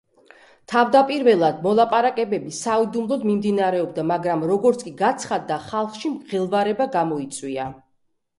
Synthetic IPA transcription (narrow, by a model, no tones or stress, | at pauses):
t̪ʰavd̪apʼiɾvɛlˠad̪̚mɔlˠapʼaɾakʼɛbɛbisaid̪umlˠɔd̪mimd̪inaɾɛɔbd̪amaɡɾamɾɔɡɔɾt̪skʼiɡat̪sʰχad̪ːaχalˠχʃimʁɛlˠvaɾɛbaɡamɔit̪sʼwia